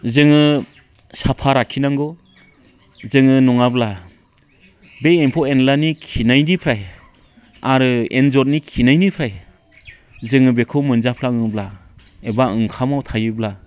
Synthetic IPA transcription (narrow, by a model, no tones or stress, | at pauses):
zɯŋɯ | sapʰaɾakʰinaŋɡɔ | zɯŋɯnɔŋabla | beempʰɔenlanikʰinajnipʰɾaj | aɾɯḛnzɔt̚nikʰinajnipʰɾaj | zɯŋɯbekʰɯwmɯnzapʰlaŋɯbla | ebaɯŋkʰamawtʰajɯbla